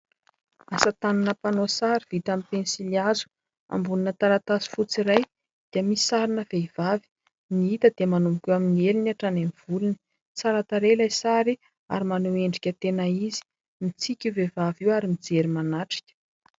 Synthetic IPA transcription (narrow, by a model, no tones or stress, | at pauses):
asat̪ananəpanosaɾiv̥it̪amipensiliazu̥ | a̰mbuninət̪aɾat̪asi̥fut͡siɾaj | d̪̥iəmiisaɾinəveivavi̥ | niit̪əd̪̥eəmanumbikʲuwaminieliniaʈ͡ʂanemiv̥uluni̥ | t͡saɾat̪aɾelajsaɾi | a̰ɾimanoeɳɖ͡ʐikʲət̪enaizi̥ | mit͡sikʲivevaviwaɾimid͡zeɾimanaʈ͡ʂi̥kʲə̥